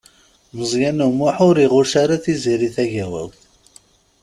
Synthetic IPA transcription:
məzˤjænumʊħʊɾiʁʊɾʃaɾaθiziɾiθæʝæwæ̰wθ

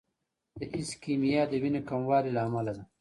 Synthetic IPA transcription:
d̪əʔiskimijad̪əwinekamwɑːɾilaːmalad̪a

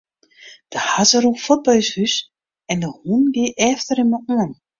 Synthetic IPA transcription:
d̥əhazəɾufɔt̚bœjshys | ɛndəhunɡiʔɛftəɾɪnməʔuən

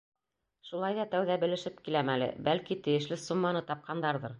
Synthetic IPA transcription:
ʃulˠɑjðɑt̪æwðæbɘ̆lɘ̆ʃɘp̚kilæmælɘ̰bælkit̪ɘ̆jɘ̆ʃlɘsumːɑnɤt̪ɑp̚qʰɑnd̪ɑɾðɤɾ

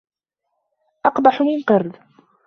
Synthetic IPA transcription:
ʔɑqbɑħmɪnqɑɾd̪

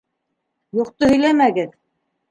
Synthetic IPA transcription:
juqt̪ohɵ̆jlæmæɡɘð

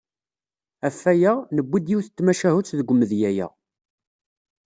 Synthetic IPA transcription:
æfːæjænəbʷːid̪jiwθət͡s̪ːmæʃæhut͡sːðəɡʷʊmːəðjæjæ̰

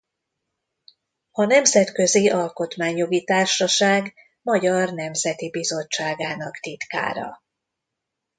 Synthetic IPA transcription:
ɒnɛmzɛt̪kø̞ziʔɒlko̞t̪maːɲjo̞ɡit̪aːrʃɒʃaːɡ | mɒɟɒrnɛmzɛt̪ibizo̞t͡ʃːaːɡaːnɒkt̪it̪ka̰ːɾɒ̰

